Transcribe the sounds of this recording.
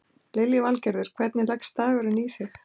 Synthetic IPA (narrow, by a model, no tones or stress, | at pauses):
lejljɪvalcɛɾðɪɾ̥kʰvɛt̪nɪlɛkst̪aːɣʏɾɪnisɪx